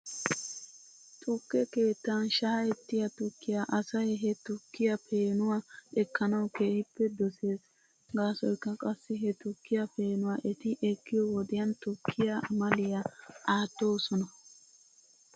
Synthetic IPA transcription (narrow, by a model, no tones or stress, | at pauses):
t̪ʼʊkːɛke̞ːt̪ːanʃaːjɛt̪ːɪjɐt̪ʊkːɪjaʔɐsɐjɦɛt̪ʊkːɪjɐpʰe̞ːnʊwaʔɛkːɐnɐwkeːhɪpːɛd̪ɔse̞ːs | ɡaːsɔjkːɐkʼɐsːɪɦɛt̪ʊkːɪjɐpe̞ːnʊwaːʔɛt̪ɪʔɛkːɪjɔwɔd̪ɪjɐnt̪ʊkʰːɪjamɐlɪjɐʔaːt̪ːo̞ːsɔnɐ